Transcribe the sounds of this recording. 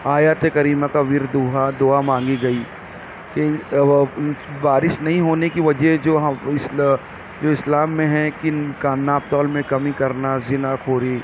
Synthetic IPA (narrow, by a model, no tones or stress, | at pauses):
aːjaːt̪ekɐɾiːmakaʋɪɾd̪uːɦad̪ʊamãːŋɡiɡɐiː | ke | baːɾɪʃnɐɦĩɦoːnekiʋɐd͡ʒɛsd͡ʒoːɦɪs | d͡ʒoːɪslaːmːẽɦɛ̃kinkaːnːaːb̚t̪ɔːlmẽkɐmĩkɐɾnazɪnakʰoːɾi